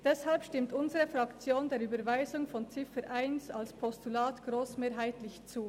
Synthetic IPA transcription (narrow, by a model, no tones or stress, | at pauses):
d̥ɛshalpʃtɪmtʔʊnzəʁəfʁɑkt͡sjoːndeːyːbəɐvaɪzʊŋfɔnt͡sɪfəɾʔaɪnsalspʰɔstulaːtɡ̥ʁoːsmeːɐɦaɪtlɪçt͡suː